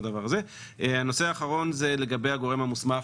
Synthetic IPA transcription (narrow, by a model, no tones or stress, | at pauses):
d̪avaʁaze̞ | ehano̞seaːχaʁo̞nzele̞ɡabejaɡo̞ʁemhamusma